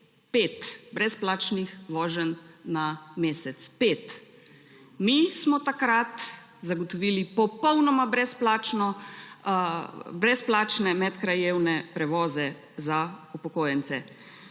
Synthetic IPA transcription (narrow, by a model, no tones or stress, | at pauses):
peːt̪bɾɛsplaːt͡ʃnixʋɔːʒənːameːsɛt̪speːt̪ | mismɔt̪akɾat̪ | zaɡɔt̪ɔʋiːlipɔpɔwnɔmabɾɛsplat͡ʃnɔ | bɾɛsplaːt͡ʃnɛmɛt̪kɾajeːwnɛpɾɛʋɔːzɛ | zaupɔkoːjɛnsɛ